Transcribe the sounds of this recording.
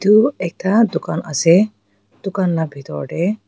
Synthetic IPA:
t̪uɛk̚tʰad̪ukanʔa̰sɛ | d̪̥ukanlabʱit̪ɔ̰ɹɖɛ

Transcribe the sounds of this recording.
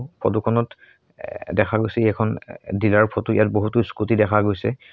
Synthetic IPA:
pʰɔtukʰɔnɔt | dɛkʰaɡojsɛiɛkʰɔndilaɹpʰɔtuḭjat̚boɦutuskutidɛkʰaɡojsɛ̰

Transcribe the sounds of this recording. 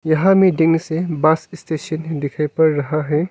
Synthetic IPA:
jɐɦamidiŋsebasistesɐndikʰajpɐɾːɐɦaɦe

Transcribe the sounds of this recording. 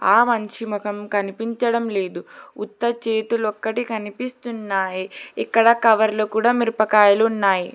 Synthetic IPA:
aːmɐɲt͡ʃimukɐmkɐnipiɲt͡ʃɐɽɐmle̞ːd̪uut̪ːɐt͡ʃeːt̪ulɔkːɐʈikɐnipist̪unːaːjiikːɐɽɐkɐʋɐɾloːkuːɽaːmiɾpɐkaːjɐluːnːaːji

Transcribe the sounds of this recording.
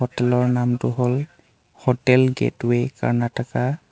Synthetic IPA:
ɔtɛlɔɹnamtʊɦol | hɔtɛlɡɛ̰tweka̰ɹnatʰaka

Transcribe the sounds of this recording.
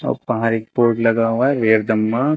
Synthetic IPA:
ɔ̰pɐ̃ɦaɾeːk̚poːɾʈlɐɡaɦuaɦɛʋeːɾd̪ɐmːã

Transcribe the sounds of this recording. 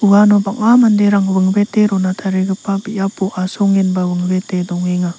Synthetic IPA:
uɡanɔbaŋamandeɾaŋbɯŋbeteɾɔnatʰaɾiɡɯpabijapʰuʔasɔŋinbawɯŋbetedɔŋiŋa

